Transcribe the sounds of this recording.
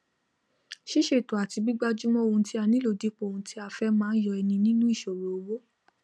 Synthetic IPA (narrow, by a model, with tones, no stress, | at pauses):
ʃi˦ʃe˨to˨a˨ti˨˧bi˦ɡ͡ba˦˧d͡ʒu˦mɔ̃˦o˨ũ˧ti˦a˧nĩ˦lo˦˨di˨˦k͡po˦˨ũ˧ti˦a˧fɛ˧mãː˦n˦jɔ˧ɛ˧nĩ˧nĩ˦nũ˦i˦˨ʃo˨ɾo˨o˨wo˦